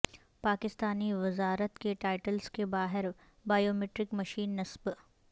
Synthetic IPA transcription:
paːkɪst̪aːniʋɪzaːɾət̪keʈaːɪʈəlskebaːɦɪɾ | baːjoːmeːʈɾɪkmɐʃiːnːɐsb

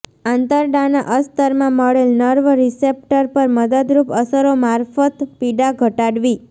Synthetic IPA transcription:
ãnt̪əɾɖanaʔəst̪əɾmãməɭelnəɾʋəɾisep̚ʈəɾpəɾməd̪əd̪ɾupəsəɾomaɾfət̪piɖaɡʱəʈaɽʋi

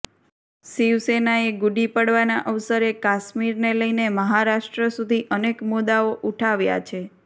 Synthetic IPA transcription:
siʋsenaeɡuɖipəɽʋanaʔəʋsəɾekaʃmiɾneləjneməɦaɾaʃʈɾəsud̪ʱiʔənekmud̪aoʔuʈʰaʋja̰t͡ʃʰe

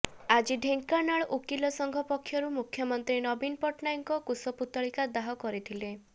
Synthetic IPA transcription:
ad͡ʒiɖʱeŋkanaɭʔukilɔsɔŋɡʱɔpɔkʰːjɔɾumukʰjɔmɔnt̪ɾinɔbinpɔʈnajŋkɔkusɔput̪ɔɭikad̪aɦɔkɔɾit̪ʰile

